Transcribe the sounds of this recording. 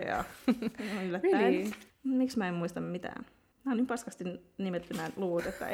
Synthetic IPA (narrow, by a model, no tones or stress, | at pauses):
ɑ̰oylːætːæ | miksmæemmuist̪ɑmmit̪æ̰ːn | mæonimpɑskɑst̪innimet̪ːymæːnluʋut̪et̪ːæ̰